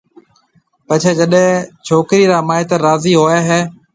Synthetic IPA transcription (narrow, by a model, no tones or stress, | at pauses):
pət͡ʃʰeːd͡ʒəɗẽt͡ʃʰoːkɾiːɾaːmaːɪt̪əɾaːziːɦoːeːɦeː